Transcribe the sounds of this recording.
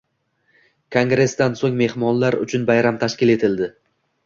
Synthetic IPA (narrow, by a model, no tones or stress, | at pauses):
kʰoŋɡɾe̞sd̪ansoŋme̞hmɒnlaɾʊ̰t͡ʃʰʊnbajɾamt̪ʰaʃkʲɪle̞t̪ʰɪld̪ɪ